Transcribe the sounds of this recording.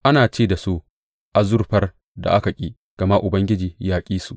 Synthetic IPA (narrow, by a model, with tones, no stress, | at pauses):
ʔa˦naː˨t͡ʃeː˦˨da˨su˦ | ʔa˨zʊ˦rɸɐ˦r | da̰˨ʔa˦ka˨kʲʼiː˦ | ɡ̥ɐ˨ma˦ʔʊ˨bɐ˦ŋɡʲɪ˦d͡ʒiː˨jaː˦kʲʼiː˦su˦ʔ